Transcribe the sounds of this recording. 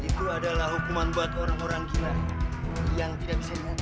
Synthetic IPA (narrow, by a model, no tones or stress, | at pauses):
it̪uadalahɦukumanbuat̪oɾaŋoɾaŋkila | jaŋt̪idak̚bisadiku